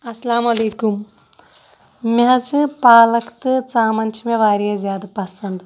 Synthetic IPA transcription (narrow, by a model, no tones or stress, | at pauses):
ɐslaːmɐleːkum | mɐɦɐt͡ʃɨpaːlɐkt̪ɨt͡saːmɐnʲt͡ʃʰimeʋaːɾjezʲjaːd̪ɐpɐsɐnd̪